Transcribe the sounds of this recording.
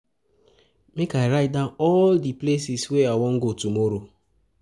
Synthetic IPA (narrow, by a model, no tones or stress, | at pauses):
mekaɾaɪdaɔldiplesisweawɔŋ̩ɡotumoɾo